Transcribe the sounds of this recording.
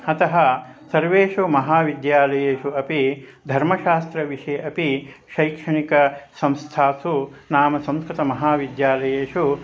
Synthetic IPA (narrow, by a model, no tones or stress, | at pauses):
ɐt̪ɐɦɐ | sɐɾʋeːʃumɐɦaːʋid̪jaːlɐjeːʂuɐpid̪ʱɐɾmɐʃaːst̪ɾɐʋiʂɐjʔɐpi | ʃɐjkʂɐɳikɐsɐ̃mst̪ʰaːsunaːmɐsɐ̃mskɾit̪ɐmɐɦaːʋid̪jaːlɐjeːʂu